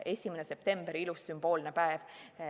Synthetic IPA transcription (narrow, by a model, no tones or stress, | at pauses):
ʔe̞sʲimenese̞p̚t̪e̞mb̥eɾilusːymb̥o̞ːlnepæev